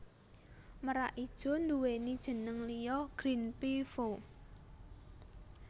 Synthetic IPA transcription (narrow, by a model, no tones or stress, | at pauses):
məɾaʔid̥ʒ̥ɔ̤nd̪uwenid̥ʒ̥ə̤nəŋlijɔɡ̥ɾinpifo